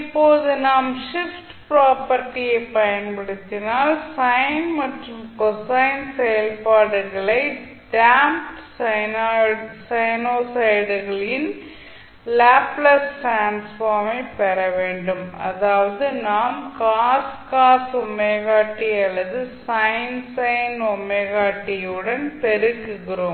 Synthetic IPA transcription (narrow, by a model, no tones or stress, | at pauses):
ɪpːoːðɯnaːmʂɪfʈpɾaːpɐɾʈːɪjɐɪpːɐjɐnpɐɽɪt̪ːɪnaːlsɐjɪnmɐʈrɯmkɔsɐɪnsɛjɐlpaːɽɯɣɐɭɐɪ | ɖaːmʈsɐɪnaːsɐjnoːsɐɪɽɯɣɐɭɪn | laːplɐsʈɾaːnsfaːɾmɐɪpːɐɾɐʋeːɳɖɯmɐ̰ðaːʋɐðɯnaːmkaːskaːsɔmːɐɣaːʈːɪɐɭːɐðɯsɐɪnsɐɪnɔmɐɣaːʈːɪjɯɽɐnpɛɾɯkːɯɣɪroːm